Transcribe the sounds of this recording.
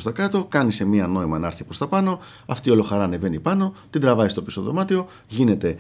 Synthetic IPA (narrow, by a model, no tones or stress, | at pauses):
st̪ɐkɐt̪o̞kɐnise̞miɐno̞imɐnɐɾθipɾo̞st̪ɐpɐno̞ | ɐft̪io̞lo̞xɐɾɐːne̞ve̞nipɐno̞t̪ind̪ɾɐvɐist̪o̞piso̞ðo̰mɐt̪io̞ | ʝine̞t̪e̞